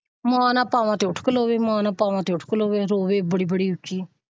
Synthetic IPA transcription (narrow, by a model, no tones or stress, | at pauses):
mãːnãːpaːʋãːt̪eːʊʈʰkəloːʋeːmãːnãːpaːʋãːt̪eːʊʈʰkəloːʋeːɾoːʋeːbəɽiːbəɽiːʊt͡ʃiː